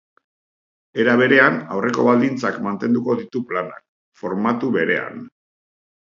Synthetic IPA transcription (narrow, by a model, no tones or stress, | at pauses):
e̞ɾaβ̞e̞ɾe̞anawre̞ko̞̰βald̪int͡sakmant̪e̞nd̪uko̞ðit̪uplana̰k̚ | fo̞ɾmat̪uβe̞ɾe̞a̰n